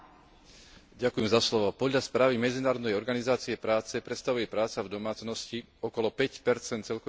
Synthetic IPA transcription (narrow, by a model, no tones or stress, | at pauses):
ɟakujɛmzaslɔʋɔpɔd̪ʎaspɾaːʋimɛd͡zinaːɾɔd̪nɛjɔɾɡanizaːt͡siɛpɾaːt͡sɛpɾɛt̪st̪aʋujɛpɾaːt͡savd̪ɔmaːt͡snɔsci | ɔkɔlɔpɛcpɛɾt͡sɛnt̪t͡sɛʎkɔ